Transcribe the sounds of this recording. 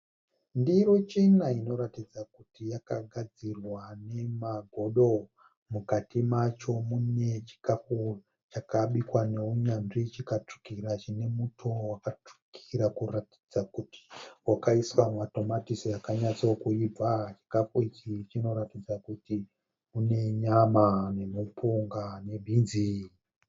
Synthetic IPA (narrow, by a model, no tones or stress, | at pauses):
ndiɾo̞t͡ʃinaino̞ɾatid͡zakutijakaɡʱad͡zirwane̞maɡʱo̞ɗo̞ | mukatimat͡ʃo̞mune̞t͡ʃi̥kafu | t͡ʃakaɓikwane̞uɲanʐit͡ʃikat͡ʂu̥kiɾat͡ʃine̞mutʰo̞wakat͡ʂu̥kʰiɾakurati̥d͡zakuti̥wakaiswamato̞matisiakaɲat͡sookuib͡vat͡ʃi̥kafuikit͡ʃino̞ɾatid͡zakuti | une̞ɲamane̞mupʰuŋɡane̞bʱinzi